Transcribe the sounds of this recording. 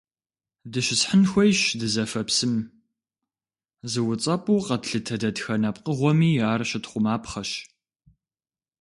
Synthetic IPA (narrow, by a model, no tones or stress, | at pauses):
dɨʃɪsħənxʷɔjɕdɨzɐfɐpsɨm | zɨwʊt͡sʼɐpʼuːqɐtɬɨtʰɐdɐtxɐnɐpqəʁʷɔmiːaːrɕɪtχʷʊmaːpχɐɕ